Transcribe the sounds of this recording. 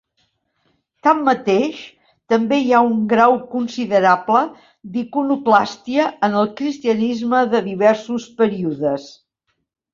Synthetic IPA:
t̪amːət̪eʃ | t̪əmbeiauŋɡɾawkunsiðəɾaplə | d̪ikunuklast̪iəənəlˠkɾist̪iənizməðəðiβ̞ɛɾsuspəɾiuðəs

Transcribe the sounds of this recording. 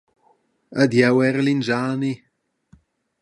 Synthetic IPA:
ədjɛwɛɾlind͡ʒaːni

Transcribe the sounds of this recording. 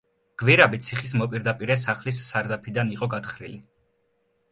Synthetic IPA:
ɡ̥viɾabit̪sʰiχis̬mɔpʼiɾd̪apʼiɾɛs̬aχlisːaɾd̪apʰid̪aniqʼɔɡat̪χɾili

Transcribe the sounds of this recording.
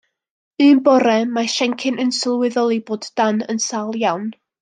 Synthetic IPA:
ɨːnbɔɾɛmaʃɛŋkʰɪnʔənsəlˠwɪðɔlˠiboːdanənsalˠjawn

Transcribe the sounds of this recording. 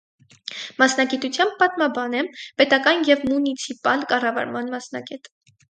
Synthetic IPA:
mɑsnɑɡit̪ut͡sʰjɑmb̚ːɑt̪mɑbɑnɛmpɛt̪ɑkɑnjɛvmunit͡sʰipɑlkɑrɑvɑ̰ɾmɑnmɑsnɑ̰ɡɛt̪

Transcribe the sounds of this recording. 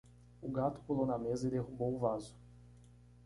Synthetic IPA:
ʊɡat̪ʊ̥pulownɐmezɐɪd̪eɦubowʊvazʊ̥

